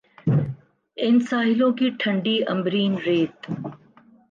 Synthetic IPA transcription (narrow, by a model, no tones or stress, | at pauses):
ɪnsaːɦɪlõːkiːʈʰɐ̃ɳɖiʔɐ̃mbɾiːnɾeːt̪